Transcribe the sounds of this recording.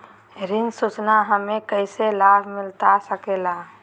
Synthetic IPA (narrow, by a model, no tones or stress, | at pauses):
ɾɪnsut͡ʃnaɦəmẽkəɪselaːbʱmɪlt̪asəkeːlaː